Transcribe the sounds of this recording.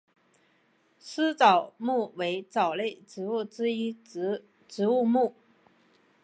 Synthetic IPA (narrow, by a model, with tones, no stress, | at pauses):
s̩˥t͡sɑ˨˩ʊmu˥˩we˧˥ɪt͡sɑ˨˩ʊle˥˩ɪʈ͡ʂɻ̩˧˥u˥˩ʈ͡ʂɻ̩˥i˥ | ʈ͡ʂɻ̩˧˥u˥˧mu˥˩